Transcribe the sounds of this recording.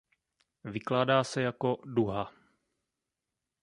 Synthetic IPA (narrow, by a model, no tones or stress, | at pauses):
vɪklaːdaːsɛjako̞duɦa